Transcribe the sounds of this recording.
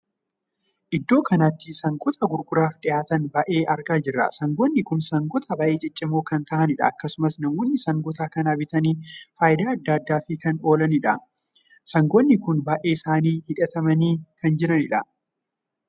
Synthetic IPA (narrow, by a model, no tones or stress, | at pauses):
ʔɪd̪ːo̞ːkɐnat̪ːɪsɐŋɡʼɔt̪ʰɐɡʊɾɡʊɾaːfᶑɪjaːt̪ɐnbɐʔe̞ːʔɐɾɡaːd͡ʒɪrːɐ̰sɐŋɡɔnːɪkʊnsɐŋɡɔt̪ʰɐbɐːʔeːt͡ʃʼɪt͡ʃʼːɪmoːkɐnt̪ɐʔɐnɪᶑɐ̰ːkːɐsʊmɐsnɐmɔnːɪsɐŋɡɔt̪aːkɐnaːbɪt̪ɐniːfaːjd̪aːɐd̪ːaːɐd̪ːaːfɪkɐno̞ːlɐnɪᶑɐ | sɐŋɡɔnːɪkʊnbɐʔeːɪsaːniːhɪᶑɐt̪ɐmɐniːkɐnd͡ʒɪɾɐnɪᶑɐ